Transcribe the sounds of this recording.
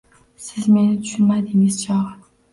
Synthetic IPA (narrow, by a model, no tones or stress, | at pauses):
sɪzmenɪt̪ʰy̥ʃynmad̪ɪŋɪz̥t͡ʃʰɑʁɨ